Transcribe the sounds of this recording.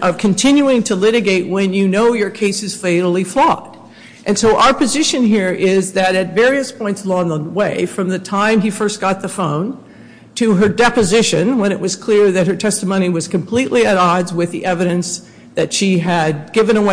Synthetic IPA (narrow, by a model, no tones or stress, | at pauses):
ʔʌv̥kʰɨ̃n̩tʰɪ̃njʉɪ̃ŋtʰəlɪɾɨɡeɪʔ̚wɨ̃njɨnoʊjə˞kʰeɪsɨz̥feɪɾl̩ˠiflɔɾ̥ | ʔɨ̃nsoʊʔa̰ʊə˞pɨzɪʃɨ̃nɦiɹʔɪzðɨɾɨtvɛɹiɨspʰɔ̃ɪ̃ntslɔ̃nðəweɪfɹʌ̃mðɨtʰãɪ̃mifɜ˞stɡ̥ɑt̪̚ðəfõʊ̃n | tʰɨə˞dɛpɨzɪʃɨ̃nwə̃ñɨʔwʌz̥kʰl̥ɪɹðɨt̚hə˞tʰɛstəmõʊ̃ñiwʌz̥kʰɨ̃mpʰl̥iʔlʔiɨɾɑdzwɨðiʔɛvɨɾɨ̃ns | ðɨtʃiɨd̚ɡɪvɨ̃ñəwe